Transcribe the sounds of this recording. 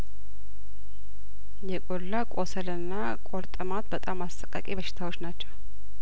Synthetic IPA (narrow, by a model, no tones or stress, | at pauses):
jɛkʼolːakʼosəlɨnːa | kʼoɾt̪ʼəmat̪bət̪ʼamast̪ʼəkʼːa̰kʼibəʃɪ̥t̪ʰawot͡ʃːnat͡ʃːɛw